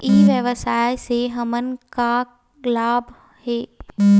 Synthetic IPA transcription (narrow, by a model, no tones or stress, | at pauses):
iːʋjəʋəsaːjseɦɐmənka | laːb | hɛː